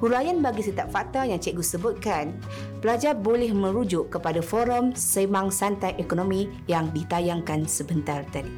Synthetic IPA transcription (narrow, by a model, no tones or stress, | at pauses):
huɾajanbaɡisət̪ap̚fak̚t̪ajaŋt͡ʃɛʔɡusəbʊt̪̚kan | pəlad͡ʒarbolɛhmə̃ɾud͡ʒʊʔkːəpadafɔɾɔmsəmaŋsant̪ajʔekonõmĩ | jaŋdit̪ajaŋkansəbənt̪art̪adi